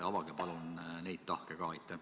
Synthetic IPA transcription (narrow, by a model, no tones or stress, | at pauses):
ɑvɑɡ̥epɑlunnejd̪̥̚t̪ɑhkekɑːɑjt̪ːe